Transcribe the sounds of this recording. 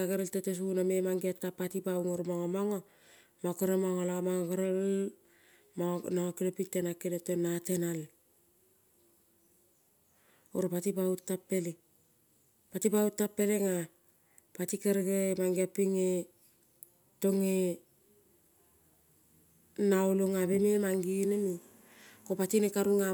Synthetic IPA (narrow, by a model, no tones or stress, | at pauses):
aɡaɾeltetes̬unamemaŋɡiatːapatipauŋoɾmaŋomaŋo | makoɾemaŋolamaŋoɡaɾel | manaŋokilepitːenakenetenatenal | o̰ɾpatipautːapːeli | patipautːapːeleŋa | patikeɾɡemaŋɡiapiŋe | toŋe | nauloŋabememaŋɡinemi | kopatinekaɾuŋa